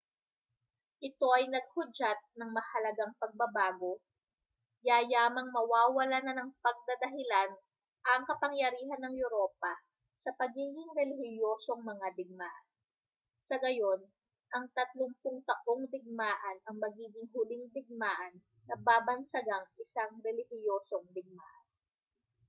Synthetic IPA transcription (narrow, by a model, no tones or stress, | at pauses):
ʔɪt̪o̞ʔɐjnɐɡ̚hʊd͡ʒat̪̚nɐŋmɐhɐlɐɡaŋpɐɡ̚bɐbaːɡo̞ | jajaːmɐŋmɐwaːwɐlanɐnɐŋpɐɡ̚d̪ɐd̪ɐɦɪlan | ʔɐŋkɐpɐŋjɐɾiːɦɐnːɐŋjʊɾo̞ːpɐ | sɐpɐɡiːɡɪŋɾɛlɪhɪjoːso̞ŋmɐŋad̪ɪɡ̚maːʔɐn | sɐɡɐjo̞n | ʔɐŋt̪ɐt̪loŋpʊŋt̪ɐk̚oŋd̪ɪɡ̚maːʔɐnɐŋmɐɡiːɡɪŋɦʊlɪŋd̪ɪɡ̚maːʔɐnːɐbaːbɐnsɐɡaŋʔɪsaŋɾɛlɪhɪjo̞ːso̞ŋd̪ɪɡ̚ma̰ːʔɐn